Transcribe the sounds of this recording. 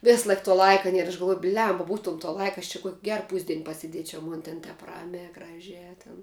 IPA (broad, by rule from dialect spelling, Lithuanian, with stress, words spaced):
ˈʋʲɪs ˈlˠɐɪk tuɔ ˈlˠɐɪkɐ ˈnʲiɛr ɐʃ ɡɐlˠˈʋuɔj ˈbʲlʲɛmbɐ ˈbuːtuɔm toː ˈlˠɐɪkɐ ɐʃ t͡ʃʲɛ kuɔkʲ ˈɡʲɛr ˈpuːzʲdʲiɛn pɐsʲɪˈdʲiɛt͡ʃʲɛʊ ˈmoːn tʲɛn ˈtʲɛp ˈrɑːmʲæː ˈɡrɑːʒʲæː tʲɪn